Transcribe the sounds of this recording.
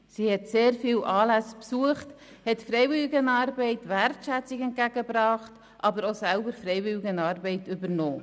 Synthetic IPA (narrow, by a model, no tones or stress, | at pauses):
sihɛtseːɾfiːlʔɑːlæspsuəχt | hɛtfɾɛɪvɪliɡənɑːɾbɛɪtʋærtʃæt͡sikɛnt̚ɡ̥æɡəbɾɑːχt | ʔɑbəɾosælbəɾfɾɛɪvɪlɪɡənɑːɾbɛɪtʏbəɾnoː